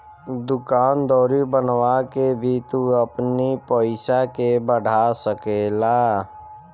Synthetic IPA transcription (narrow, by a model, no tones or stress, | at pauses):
d̪ʊkaːnd̪ɔːɾibənwakebʱit̪uəpnipəɪsakebəɖʱasəkeːlaː